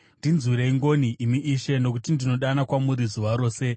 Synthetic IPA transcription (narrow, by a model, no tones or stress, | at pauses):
ndinziɾeiŋɡo̞niimiʔiʃe̞no̞k̬utindino̞ɗanakwamuɾizuʋaɾo̞ːse̞